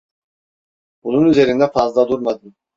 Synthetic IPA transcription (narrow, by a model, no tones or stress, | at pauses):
bununyze̞ɾind̪ɛfazlˠad̪uɾmad̪ɯm